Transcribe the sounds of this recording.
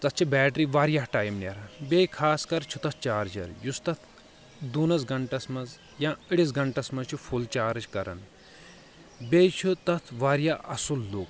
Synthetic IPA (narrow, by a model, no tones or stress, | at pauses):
t̪ɐt̪t͡ʃʰibɛːʈɾiʋaːɾjaːɦʈaːjmnɐ̰ɾbʲejkʰaːskɐɾt͡ʃʰut̪ɐt̪̚ʰt͡ʃaːɾd͡ʒɐ̰ɾjust̪ɐt̪ʰ | d̪uːnɐsɡɐɳʈɐsmɐz | jãːəɽisɡɐɳʈɐsmɐzt͡ʃʰupʰult͡ʃaːɾt͡ʃkɐɾɐ̰n | bejt͡ʃʰut̪ɐt̪ʰʋaːɾjaːʔɐsulːuːk